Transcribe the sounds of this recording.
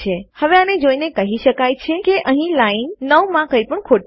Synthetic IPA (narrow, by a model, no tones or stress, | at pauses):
ehəʋeaned͡ʒoinekəɦiʃəkajt͡ʃʰekeʔəɦĩlainːəʋmãkəjpəɳkʰoʈ